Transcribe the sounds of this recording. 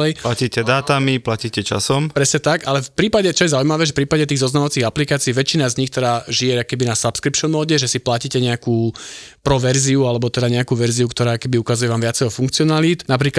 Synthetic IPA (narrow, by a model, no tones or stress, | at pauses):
ɛjplaciːcɛd̪aːt̪amiplaciːcɛt͡ʃa̰sɔmpɾɛsɲɛt̪akalɛfpɾiːpaɟɛt͡ʃɔjɛzaujmaʋɛːʒɛfpɾiːpaɟɛt̪iːɣzɔznamɔʋat͡siːɣaplikaːt͡siːʋɛt͡ʃinazɲixt̪ɛd̪aːʒiɛakkɛbinasapskɾipʃɔnmɔːɟɛʒɛsiplaciːcɛɲɛakuːpɾɔʋɛɾziualɛbɔt̪ɛd̪aɲɛakuːʋɛɾziukt̪ɔɾaːkkɛbiukazujɛʋaːmʋɪat͡sɛjɔfuŋkt͡siɔnaliːt̪nap̬ɾiːk